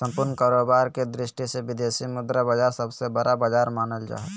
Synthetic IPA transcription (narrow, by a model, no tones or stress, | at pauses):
sə̃mpʊɾnəkaːɾoːbaːɾked̪ɾɪʃʈiseʋɪd̪eːsimʊd̪ɾəbəd͡ʒaːɾsəbsebəɾabəd͡ʒaːɾmaːnəld͡ʒa̰ːɦɛ